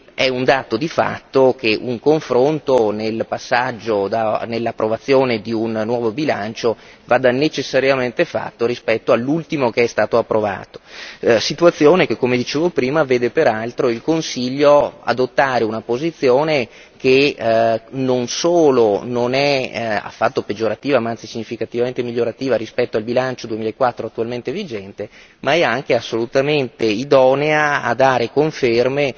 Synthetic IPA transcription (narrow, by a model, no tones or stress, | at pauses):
ɛund̪aːt̪od̪ifa̰t̪ːok̟eʔuŋkoɱfɾont̪onelpasːad͡ʒːod̪anelːapːɾovat̪sːjoːned̪iunːwɔːvobila̰nt͡ʃo | vaːd̪anet͡ʃesːaɾjament̪efa̰t̪ːoɾispɛt̪ːoalːult̪imokeɛst̪aːt̪oapːɾova̰ːt̪o̥sit̪uat̪sːjoːnekekːomed̪it͡ʃeːvopɾiːmaveːd̪epeɾalt̪ɾoilkonsiʎːoa̰d̪ot̪ːaːɾeunapozit̪sːjoːne | ke | nonsoːlononɛa̰fːat̪ːoped͡ʒoɾat̪ːiːvamaant̪sisiɲːifikat̪ivament̪emiʎːoɾat̪iːvaɾispɛt̪ːoalbilant͡ʃod̪uemiːlaekːwat̪ːɾoat̪ːualment̪evid͡ʒɛnt̪e | maɛaŋk̟easːolut̪ament̪eid̪ɔneaːd̪aːɾekoɱferme